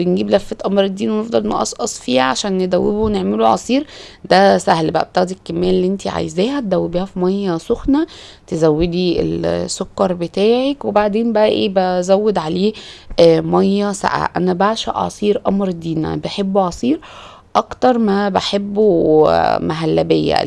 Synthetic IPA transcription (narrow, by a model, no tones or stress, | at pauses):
benɡiːblæfːet̪ʔɑmɾed̪ːiːnwenefd̪ˤɑlmæ̰ʔɑ̰sˤʔɑsˤfiːhæʕaʃæːnːed̪æwːebowneʕmeloʕɑ̰sˤiːɾd̪æsæhlbæ̰ʔæ̰b̚t̪æɣd̪iekːemːæːlːiːʔent̪iʕa̰jezæːhæt̪̚d̪æwːebiæfimɑjːɑsoxnæ | t̪ezæwːed̪iḛlsːokːɑɾˤbet̪æːʕekwebaʕd̪eːnbæʔæʔeːbæzæwːed̪ʕaleː | mɑjːæsa̰ʔa̰ʔænæbaʕʃæ̰ʔʕɑ̰sˤiːɾʔɑmɾd̪iːnæ̰beħebːoʕɑsˤiːɾ | ʔɑkt̪ɑɾˤmæbaħebːo | mæɦælːæbejːæ̰